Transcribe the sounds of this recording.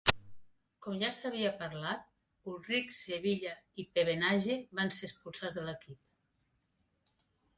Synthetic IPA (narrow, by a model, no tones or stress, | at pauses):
kɔmʒasaβiapəɾlat̪̚ | ulˠrikseβiʎaipeβenaʒeβanseəspulˠsad͡zðələkip̚